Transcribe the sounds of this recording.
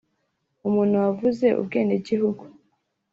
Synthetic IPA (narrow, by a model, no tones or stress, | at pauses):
umuːn̥huwavuze̞ʔṵb̚ɡe̞ːndeɟihuɡu